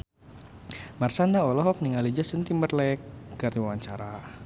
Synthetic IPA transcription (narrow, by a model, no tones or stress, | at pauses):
marsandaɔlɔɦɔk̚niŋalid͡ʒasənt̪imərlɛkɡaɾiwawaɲt͡ʃaɾa